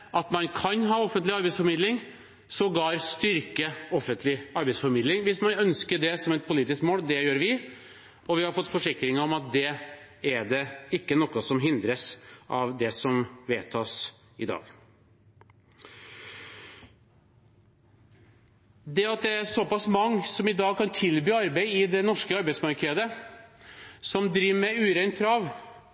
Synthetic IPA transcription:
ʔɑt̪mɑnkʰɑnɦɑːɔfənt̪lɪɑɾbɛɪsfɔɾmɪd̪lɪŋ | sɔɡɑːɾst̪ʏɾkəɔfːənt̪lɪɑɾbɛɪsfɔɾmɪd̪lɪŋʋɪsmɑnœnskəɖɛsɔmɛt̪̚pʰʊliːt̪ɪskmoːld̪ɛjøːɾʋɪ | ɔʋɪhɑɾfɔt̪ːfɔʂɪkɾɪŋɾɔmɑt̪̚d̪ɛ | æɖɛɪkːənɔkːəsɔmɦɪnd̪ɾəsʔɑʋd̪ɛsɔmʋeːt̪ʰɑːs | ɪd̪ɑ̰ːɡ | d̪ɛɑt̪̚d̪ɛæsɔpɑsmɑŋːsɔmɪd̪ɑːɡ̚kʰɑnt̪ʰɪlbyːɑɾbæɪɪd̪ɛnɔʂkəɑɾbɛɪtsmɑɾkʰɛd̪ə | sɔmd̪ɾiːʋəmɛʉːɾæɪnt̪̚kʰɾɑːʋ

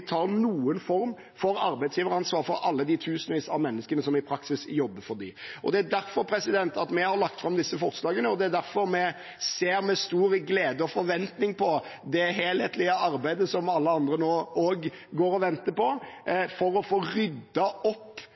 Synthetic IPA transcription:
t̪ʰɑːɾnuːənfɔɾm | fɔɾɑɾbæɪt̪sjiːʋəɾɑnsʋɑːɾfɔɾɑlːəd̪ɪt̪ʰʉːsənʋiːsɑʋmɛnːəskənəsɔmɪpʰɾɑksɪsjɔbːəfɔɾd̪ɪ̰ʔɔ̰d̪ɛæd̪æɾfɔɾpʰɾɛsɪd̪ɛnt̪ɑt̪mɛhɑɾlɑk̚t̪fɾɑmd̪ɪsːəfɔɾslɑːɡənəɔd̪ɛæd̪æɾfɔɾmɛ | seːɾmɛst̪uːɾɡleːd̪əɔfɔɾʋɛnt̪nɪŋpʰɔd̪ɛɦeːlheːt̪lɪɑɑɾbæɪd̪əsɔmɑlːəɑnd̪ɾənoːoːɡ | ɡoːɾɔʋɛnt̪əpɔfɔɾɔfoːɾʏd̪ːɑʔɔpː

